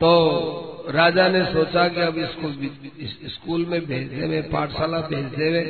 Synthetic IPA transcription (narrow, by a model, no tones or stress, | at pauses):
t̪o | ɾaːd͡ʒanesoːt͡ʃakiɐbɪsko | ɪskuːlmẽbʱeːt͡ʃd̪eːwẽpaːʈʰsaːlabʱeːt͡ʃd̪eːwẽː